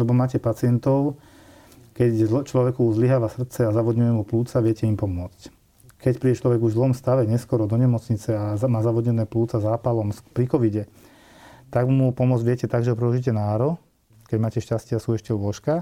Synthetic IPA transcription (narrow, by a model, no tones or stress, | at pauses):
lɛbɔmaːcɛpat͡sɪɛnt̪ɔʊ | kɛct͡ʃlɔʋɛkuzliɦaːʋasr̩t̪t͡sɛazaʋɔd̪ɲujɛmupluːt͡saʋɪɛcɛimpɔmʊɔt͡sc | kɛcpɾiːɟɛt͡ʃlɔʋɛɡuʒzlɔmst̪aʋɛɲɛskɔɾɔd̪ɔɲɛmɔt͡sɲit͡sɛaamaːzaʋɔdɲɛnɛːpluːt͡sazaːpalɔmspɾikɔʋiɟɛ | t̪aɡmupɔmʊɔd͡zʋɪɛcɛt̪aɡʒɛɦɔpɾɛɔʒic̬ɛnaːɾɔ | kɛɟmaːcɛʃcascɪɛasuːɛʃcɛlʊɔʃka